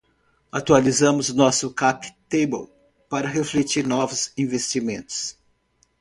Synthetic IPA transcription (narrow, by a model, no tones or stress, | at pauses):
at̪ualizɐ̃mʊzʊnɔsʊkapt̪ejbo̰l | paɾɐɦeflet͡ʃiɾnɔvʊzĩvest͡ʃimẽnt̪ʊ̥s